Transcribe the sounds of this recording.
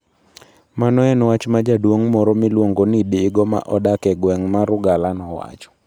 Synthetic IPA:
manɔɛnwat͡ʃmad͡ʒadwoŋmɔɾɔmɪlwoŋɡonidiːɡɔma̰ʔɔdakɛɡwɛŋmaɾʊɡalanɔwa̰t͡ʃɔ̥

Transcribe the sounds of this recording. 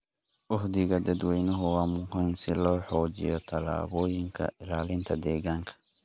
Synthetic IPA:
ʔʊħd̪ɪɣɐd̪ɐd̪wɛjnʊɦʊwɑːmʊhɐnsɪlɔːħɔːt͡ʃɪ̰jɔt̪ʰɐla̰ːβɔːjɪŋkʰɐ̰ʔɪlaːlɪnt̪ʰɐd̪ɛːɣaːŋkʰɐ̥

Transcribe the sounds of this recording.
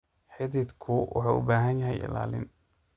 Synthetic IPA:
ħɪðɪd̪kʰʊwʔɑ̰ħɑːʔʊbaːɦɐnjɐɦɛjɪ̰la̰ːlɪ̰n

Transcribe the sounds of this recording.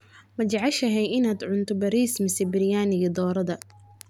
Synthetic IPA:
mɐt͡ʃɐʕɑʃɐɦɛjɪnaːd̪ʕʊnt̪ʰʊbɐɾiːsmɪsɛbɪɾɪjaːnɪɣɐd̪ɔːɾɐðɐ

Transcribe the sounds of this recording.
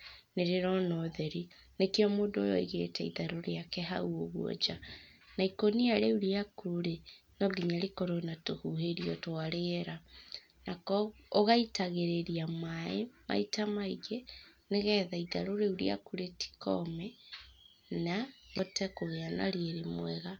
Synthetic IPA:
neɾeɾɔnɔðɛɾi | nekeɔmoːndoo̰jɔ̰eɣeːtɛḭðaɾoɾeakɛɦa̰uoɣuɔ̰d͡ʒa | naikoniaɾeuɾiakuuɾe | nɔɡiɲaɾikɔɾonatohuheɾiɔtoaɾeɾa | nakɔoɣaitaɣeɾeɾiamaema̰itamaiɡeneɣɛːðaiðaɾoɾeuɾḭa̰kuɾeti̥kɔ̰mɛ | naɣɔtɛkoɣeana̰ɾeeɾemwɛɣa

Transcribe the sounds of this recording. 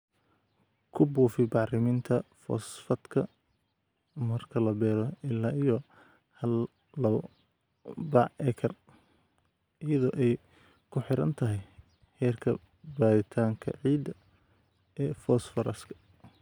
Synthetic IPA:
kʰʊbuːfɪbɑʕrɪmɪnt̪ʰɐfɔ̰sfɐd̪kʰɐ | mɐrkʰɐlɐbɛːɾɔɪlːaːijɔ | hɐl | lɐ | bɑʕʔɛkʰɐr | ɪjɐðɔːʔɛj | kʰʊħɪɾɐ̰nt̪ʰɐɦɛj | hɛːrkʰɐ | baːɾɪt̪ʰaːŋkʰɐ̰ʕiːd̪ɐ | ɛːfɔːsfɐɾɐskʰɐ̥

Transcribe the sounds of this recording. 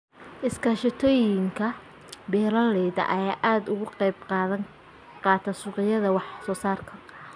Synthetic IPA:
ʔɪskʰaʃɪt̪ʰɔːjɪŋkʰɐ | bɛːɾɐlɛjðɐ̰ʔɐjaːʔaːd̪ʊɣʊqɑjb̚qɑːðɐŋ | qɑːt̪ʰɐsʊːqɪjɐðɐwɑħsɔːsaːrkʰɐ

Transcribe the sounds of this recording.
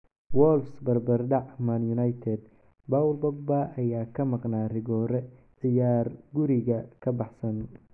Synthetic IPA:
wɔlsbɐrbɐrɖɑʕmɐnjʊnɐjt̪ʰɛd̪ | bawlbɔɡ̚baʔɐjaːkʰɐmɑqnaːrɪɣɔːɾɛ | ʕɪjaːrɡʊɾɪɣɐkʰɐbɑħsɐn

